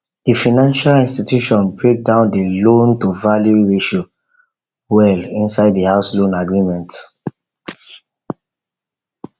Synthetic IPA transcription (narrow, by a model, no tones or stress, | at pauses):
d̥ifinãnʃalĩnstitjuʃɔ̃nbɹek̚dãʊ̃ndilõntuvaljuɹiʃo | wɛlĩnsaɪddihaʊslõnaɡɹimɛ̃nt